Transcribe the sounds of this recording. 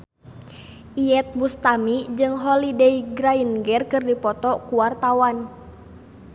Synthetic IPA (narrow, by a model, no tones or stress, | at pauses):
ʔiɛt̪̚bust̪amid͡ʒɨŋɦɔlidɛiɡɾainɡɛrkɨrdipɔt̪ɔkuwart̪awan